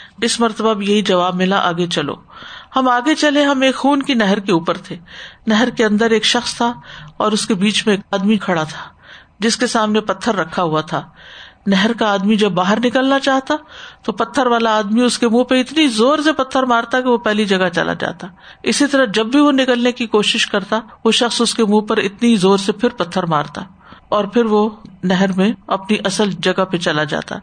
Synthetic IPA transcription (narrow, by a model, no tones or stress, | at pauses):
ɪsmɐɾt̪əbabʱijɐɦid͡ʒɐʋaːbmɪlaʔa̰ːɡet͡ʃɐlo̰ːhɐmaːɡet͡ʃɐleɦɐmeːkxuːnkinɛɦəɾkeuːpəɾt̪ʰeːnɛɦəɾkeɐ̃nd̪əɾeːkʃɐxst̪ʰaɔːɾʊskebiːt͡ʃmẽːkaːd̪mikʰɐɽat̪ʰḁ | d͡ʒɪskesaːmnepɐt̪ʰːəɾːɐkʰːaɦuat̪ʰaːnɛɦəɾkaaːd̪mid͡ʒɐbːaːɦəɾnɪkəlnat͡ʃaːɦt̪at̪opɐt̪ʰːəɾʋaːlaːd̪miʊskemũːpɐɪt̪nizoːɾsepɐt̪ʰːəɾmaːɾt̪akiʋopɛɦlid͡ʒɐɡat͡ʃɐ̰la̰d͡ʒa̰ːt̪aː | ɪsit̪ɐɾəd͡ʒɐbbʱiʋonɪkəlnekikoːʃɪʃkɐɾt̪aʋoʃɐxsʊskemũːpɐɾɪ̰t̪nizoːɾsepʰɪɾpɐt̪ʰːəɾmaːɾt̪a | ɔːɾpʰɪɾʋonɛɦɛɾmẽɐpniʔɐsəld͡ʒɐɡapet͡ʃɐlad͡ʒa̰ːt̪a̰